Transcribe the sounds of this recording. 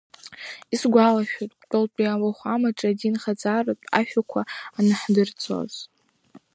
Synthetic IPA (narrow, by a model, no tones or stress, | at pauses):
isɡʷalaʃᶣotʼkʼɨlpʼiawaχʷamaʈ͡ʂʼadinχad͡zarɨpʼa̰ʃᶣakʷʰaːnɨħdɨrt͡sʰo̰z̥